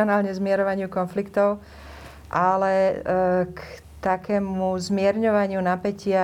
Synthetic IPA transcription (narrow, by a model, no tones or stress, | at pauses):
ɔnaːlɲɛzmɪɛɾɔʋaɲɪukɔnflikt̪ɔʊ | ʔalɛ | k | t̪akɛːmuzmɪɛɾɲɔʋaɲɪunapɛcɪa